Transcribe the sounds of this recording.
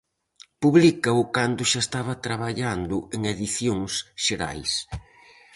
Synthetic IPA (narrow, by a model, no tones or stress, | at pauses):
puβlikɐʊkand̪ʊʃaest̪aβɐt̪ɾaβaʎand̪ʊeŋeðiθjoŋsʃeɾa̰js